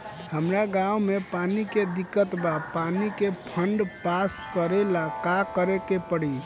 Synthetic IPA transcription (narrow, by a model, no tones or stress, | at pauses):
həmɾaɡãumepaniked̪ikːət̪bapanikepʰəɳɖpaskəɾelakakəɾekepəɽi